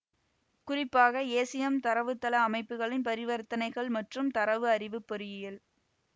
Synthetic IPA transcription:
kʊrɪpːaːɣɐeːsɪjɐmt̪ɐɾɐʋɯt̪ːɐlɐːmɐɪpːɯɣɐɭɪnpɐɾɪʋɐɾt̪ɐnɐɪɣɐɭmɐʈrɯmt̪ɐɾɐʋɯɐrɪʋɯpːɔɾɯjɪjɪl

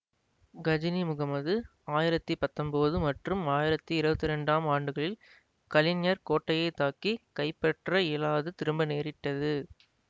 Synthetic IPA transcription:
ɡɐd͡ʒɪnimʊɣɐmɐðɯ | aːjɪɾɐt̪ːipɐt̪ːɐmboːðɯmɐʈrɯmaːjɪɾɐt̪ːiɪɾɯbɐt̪ːɪɾɛɳɖaːmaːɳɖɯɣɐɭɪl | kɐlɪɲjɐɾkoːʈːɐjɐɪt̪ːaːkikɐɪpːɐʈrɐeːlaːðɯt̪ɪɾɯmbɐneːɾɪʈːɐðɯ

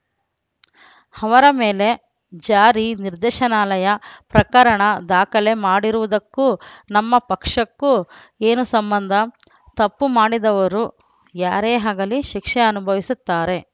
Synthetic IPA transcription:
hɐʋɐɾɐmeːle̞ | d͡ʒaːɾiniɾd̪ɛːʃɐnaːlɐjɐpɾɐkɐɾɐɳɐd̪aːkɐle̞maːɽiɾuʋud̪ɐkːunɐmːɐpɐkʂɐkːu | eːnusɐmbɐnd̪ʱɐ | t̪ɐpːumaːɽid̪ɐʋɐɾu | jaːɾeːɦaːɡɐliʃikʂɛɐnubʱɐʋisut̪ːaːɾe̞

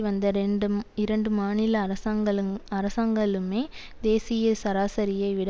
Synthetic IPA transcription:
ʋɐnd̪ɐɾɛɳɖɯɪɾɐɳɖɯmaːnɪlɐɾɐɡɐɐɾɐsaːŋɡɐɭɯmeː | d̪eːsɪjɐsɐɾaːsɐɾɪjɐɪʋɪɽɐ

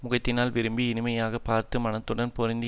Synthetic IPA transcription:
mʊɣɐt̪ːɪnaːlʋɪɾɯmbiɪnɯmɐjaːɣɐpaːɾt̪ɯmɐnɐt̪ːɯɽɐnpɔɾɪnd̪ɪ

